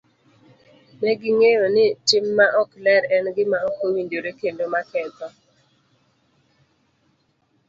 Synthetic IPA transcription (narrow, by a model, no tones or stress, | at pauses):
mɛɡɪŋejonɪtɪmːaʔɔklɛɾɛnɡɪmaokowindoɾekendomakɛt̪ɔ